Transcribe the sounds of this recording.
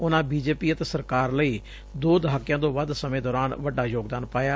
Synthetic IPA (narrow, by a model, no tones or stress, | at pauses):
ʊnãːbiːd͡ʒeːpiːət̪eːsəɾkaːɾləiː | d̪oːd̪ɦaːkjãːd̪õːʋəd̪səmẽːd̪ɔːɾaːnʋəɖaːjoːɡd̪aːnpaːjaː